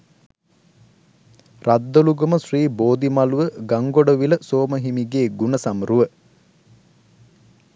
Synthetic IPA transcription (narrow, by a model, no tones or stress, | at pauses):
rad̪ːoluɡəməsriːboːd̪imaluʋəɡaŋɡoɖəʋiləsoːməɦimiɡeːɡunəsamruʋə